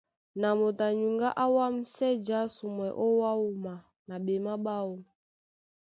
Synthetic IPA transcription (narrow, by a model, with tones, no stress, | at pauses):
na˨mo˨ta˨ɲu˨ŋɡa˦ʔa˦wa˦m̩˦sɛ˦d͡ʒa˦su˨mwɛ˨ʔɔ˦wa˦u˨ma˨ | na˨ɓɛ˨ma˦ɓa˦wu˨